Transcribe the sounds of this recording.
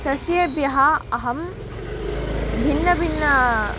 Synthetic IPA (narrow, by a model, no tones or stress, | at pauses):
sɐsjebjɐɦɐɐɦɐm | bʱinːɐbʱinːɐ